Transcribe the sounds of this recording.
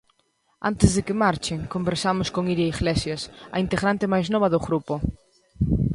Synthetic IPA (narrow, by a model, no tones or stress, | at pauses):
a̰nt̪ɪzðɪkɪmaɾt͡ʃɪŋkombeɾsamʊskoŋiɾaiɣlesjasɐ̰int̪eɣɾant̪ɪmajznɔβ̞ɐðʊɣɾupʊ